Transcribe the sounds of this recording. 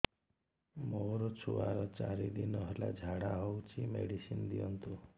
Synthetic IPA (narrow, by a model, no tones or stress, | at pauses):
moɾɔt͡ʃʰuaɾɔt͡ʃaɾid̪inɔɦela̰d͡ʒʱaɽaɦowt͡ʃʰimḛɽisind̪iɔnt̪u